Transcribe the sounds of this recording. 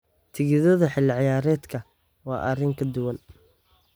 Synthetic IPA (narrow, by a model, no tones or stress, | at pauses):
t̪ʰɪɣɪðɐðɐħɪlːɪʕɪjaːɾɛːd̪kʰɐ | wɑ̰ːʔɐrɪŋkʰɐd̪ʊwɐn